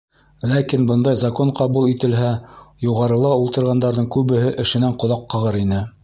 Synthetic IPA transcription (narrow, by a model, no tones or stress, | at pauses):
lækinbɤnd̪ɑjzɑkoɴqɑβulˠit̪ɘ̆lɦæjuʁɑɾɤ̆lˠɑulˠt̪ɤ̆ɾʁɑnd̪ɑɾðɤɴkʉβɘ̆ɦɘʔɘ̆ʃɘ̆næɴqŏlˠɑqːɤ̆ʁɤɾinɘ